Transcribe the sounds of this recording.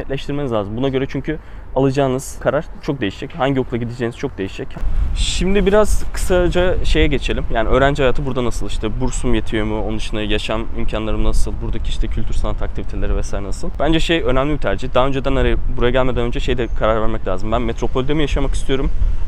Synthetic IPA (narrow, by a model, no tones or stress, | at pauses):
nɛt̪lʲɛʃt̪ʰiɾmeizlʲaːzɯmbunaɟø̞ɾɛt͡ʃʰyɲcʰy | alˠad͡ʒaːnɯz̥kʰaɾaɾ̥t͡ʃʰo̞k̚d̪ejiʃd͡ʒɛchaɲɟijo̞kʰlˠaɟid̪ed͡ʒeːniz̥t͡ʃʰo̞k̚d̪e̞jiʃd͡ʒɛcʃimd̪ibiɾaz̥kʰɯ̥sad͡ʒaʃe̞jɛɟe̞t͡ʃʰe̞lʲimjaːniø̞ːɾænd͡ʒihajaːt̪ʰɯbuɾd̪anasɯlˠiʃt̪ʰɛbuɾsumjet̪ʰijo̞ɾmuonund̪ɯʃɯnajaʃamymcʰanlˠaɾɯmnasɯlˠbuɾd̪acʰiiʃt̪ʰɛcʰylʲt̪ʰyɾsanat̪ʰakt̪ʰivit̪ʰe̞lʲeɾivɛsaːjɾɛnasɯlˠb̥ænd͡ʒɛʃejø̞næmlʲibit̪ʰæɾd͡ʒid̪aːø̞nd͡ʒed̪ænaɾabuɾajaɟælʲme̞d̪ænønd͡ʒɛʃe̞jd̪ɛkʰaɾaɾvæɾmɛclʲaːzɯmbænmet̪ɾo̞pʰo̞lʲd̪emijaʃamaki̥st̪ʰijo̞ɾum